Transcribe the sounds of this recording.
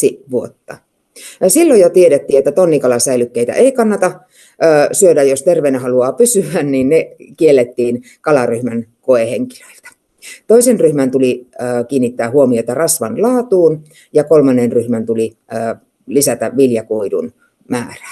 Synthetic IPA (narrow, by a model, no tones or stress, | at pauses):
iʋuot̪ːɑ | silːojot̪ieɾet̪ːiːet̪ːæt̪onːikɑlɑsæilykːeit̪æ̰ʔeikɑnːɑt̪ɑː | syødæjost̪erʋeinæɦɑluɑːpysyænninnekielːet̪ːiːn | kɑlɑryhmænkoeheŋki̥lø̥ilt̪æ̥ | t̪oisenryhmænt̪uliəːkiːnːit̪ːæːhuomioet̪ːɑrɑsʋɑnlɑːt̪uːn | jɑkolmɑnːenryhmænt̪uliː | lisæt̪æʋʋiljɑkuidṵn | mæ̰ːræ̥